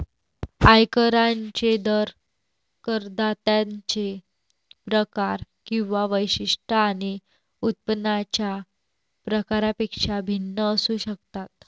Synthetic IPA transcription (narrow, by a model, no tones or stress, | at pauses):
ajkəɾãɲt͡ɕed̪əɾ | kəɾd̪at̪jat͡ɕe | pɾəkaɾ | kĩw̃ʋaʋəjɕiʂʈʰəːñi | ut̪̚pənat͡ɕja | pɾəkaɾapekʂabʱinːəːsuːɕək̚t̪at̪